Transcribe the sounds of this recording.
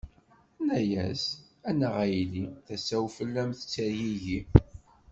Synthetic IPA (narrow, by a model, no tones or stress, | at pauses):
næjæs | ænəʁæjliθæsæwfəlːæmθə̥t͡sːəɾjiʝi